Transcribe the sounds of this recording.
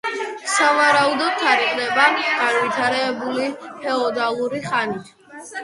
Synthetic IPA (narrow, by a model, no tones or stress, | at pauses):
savaɾaud̪ɔt̪̚t̪ʰːaɾiqʼnɛbaɡ̥anvit̪ʰaɾɛːbulipʰɛɔd̪alˠuɾiχani